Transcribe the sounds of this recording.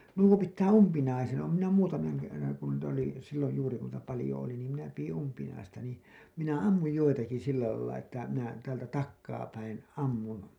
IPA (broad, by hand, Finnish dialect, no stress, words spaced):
nuo pitːæː umpinɑisen oːm minæ muːtɑmɑŋ kerːɑŋ kun niːtæ oli silːoj juːri kun niːtæ pɑlĭjo oli niːm minæ pij̆in umpinɑistɑ niː minæ ɑmːuj joitɑki silːæ lɑilːɑ etːæ minæ tæːltæ tɑkːɑː pæin ɑmːun